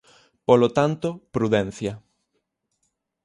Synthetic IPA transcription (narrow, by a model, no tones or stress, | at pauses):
polot̪ant̪opɾuðɛ̃n̟θja